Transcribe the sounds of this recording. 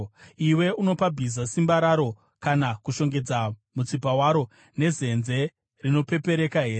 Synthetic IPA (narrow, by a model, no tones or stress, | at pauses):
iwe̞uno̞pabʱizasimbaɾaɾo̞ | kanakuʃo̞ŋɡe̞d͡zamut͡sipawaɾo̞ | ne̞ze̞nze̞ | rino̞pe̞pe̞ɾe̞kaɦe̞ːɾe